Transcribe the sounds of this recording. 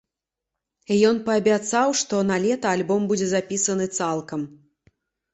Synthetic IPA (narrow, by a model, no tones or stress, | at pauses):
ijɔnpɐːbʲat̪sawʂt̪ɔnalʲɛt̪ɐalʲbɔmbud͡zʲɛzapʲisɐnɨt̪salˠkɐm